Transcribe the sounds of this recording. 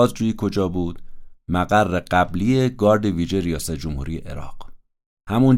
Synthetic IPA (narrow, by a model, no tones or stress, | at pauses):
ɒːzd͡ʒuːjiːkʰo̞d͡ʒɒːbuːd̪̥mæɣærːeɢæblije̞ɡɒːɾd̪eviːʒeɾijɒːsæt̪̚ʰd͡ʒomhṵːɾije̞̰ʔḛɾɒ̰ːɢ̥ | hæmun